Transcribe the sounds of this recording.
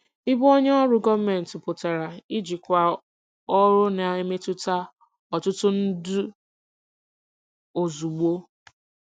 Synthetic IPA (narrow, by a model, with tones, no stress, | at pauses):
ɪ˦bo˦ɲe˦ɔ˦ɾʊ˦ɡɔ˦me˨n̩˨tʊ˨pʊ˨ta˨ɾa˨ɪ˦d͡ʒi˨kʷa˨ | ɔ˦ɾʊ˦na˨e˦me˦tʊ˦ta˦ | ɔ˨tʊ˦tʊ˦n̩˦dʊ˦ | o˨zu˨ɡ͡bo˦